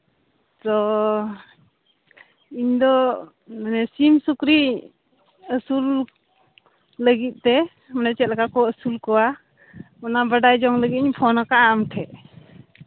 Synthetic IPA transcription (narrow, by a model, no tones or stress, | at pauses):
tɔ | ind̪ɔ | manesimsukɾi | əsul | əɡit̪̚tɛ | manat͡ʃɛt̚laɡakɔəsulkɔwa | mɔnabədajd͡ʒɔŋləɡit̪̚ɲipʰɔnakaːmtʰɛʔ